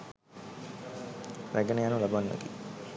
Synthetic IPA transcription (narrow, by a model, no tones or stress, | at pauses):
ɾæɡənejanulabanːa̰ɡi